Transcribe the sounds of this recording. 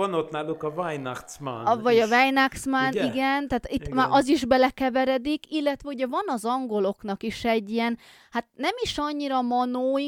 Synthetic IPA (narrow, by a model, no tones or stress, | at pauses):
ɒnot̪naːlukɒvajnakt̪sma̰nvɒɟɒvajnakt̪smaniɡɛnt̪aːt̪it̪ːmaːʔɒziʒbɛlɛkɛvɛɾɛd̪ikilːɛt̪ʋɛuɟɛvɒnɒzɒŋɡo̞lo̞knɒkiʃɛɟːijɛn | hat̪nɛmiʃɒɲːiɾɒmɒnoː